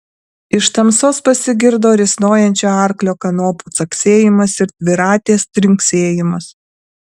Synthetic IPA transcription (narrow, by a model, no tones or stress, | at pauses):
ɪʃt̪ɐmsoːspɐsʲɪɡʲɪɾd̪oːɾʲɪsnoːjɛnʲt͡ʃʲoːɑˑɾklʲoːkɐnoːpuːt̪sɐksʲeːjɪmɐsɪɾt̪ʲʋʲɪɾɑːt̪ʲeːst̪ʲɾʲɪŋʲksʲeːjɪmɐs